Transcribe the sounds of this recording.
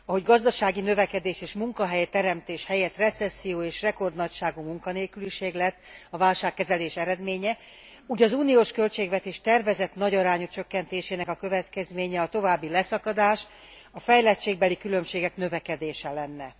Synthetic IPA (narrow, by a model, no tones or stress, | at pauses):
ɒɦo̞ɟɡɒzd̪ɒʃaːɡinø̞vɛkɛd̪eːʃeːʃmuŋkɒɦɛjt̪ɛɾɛmt̪eːʃhɛjɛt̪rɛt̪sɛsːijoːeːʃrɛko̞rd̪nɒcʃaːɡumuŋkɒneːlkyliʃeːɡlɛt̪ːɒvaːlʃaːkːɛzɛleːʃɛɾɛd̪meːɲɛ | uːɟɒzuːnioːʃkø̞lt͡ʃeːɡvɛt̪eːʃt̪ɛrvɛzɛt̪nɒɟɒɾaːɲut͡ʃøkːɛnt̪eːʃeːnɛkɒkøvɛt̪kɛzmeːɲɛɒt̪o̞vaːbːilɛsɒkɒd̪aːʃ | ɒfɛjlɛt͡ʃːeːɡ̚bɛlikylø̞mʃeːɡɛknø̞vɛkɛd̪eːʃɛlɛnːɛ